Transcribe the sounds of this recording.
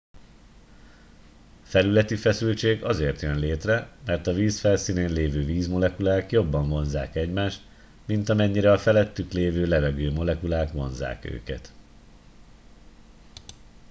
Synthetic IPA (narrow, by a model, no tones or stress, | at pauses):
fɛlylɛt̪ifɛsylt͡ʃeːɡɒzeːrt̪jønleːt̪rɛmɛrt̪ɒviːsfɛlsiːneːnleːvøːviːzmo̞lɛkulaːkjo̞bːɒɱvo̞nzaːkɛɟmaːʃt̪ | mint̪ɒmɛɲːiɾɛɒfɛlɛt̪ːykleːvøːlɛvɛɡøːmo̞lɛkulaːkʋo̞̰nza̰ːkø̰ːkɛ̰t̪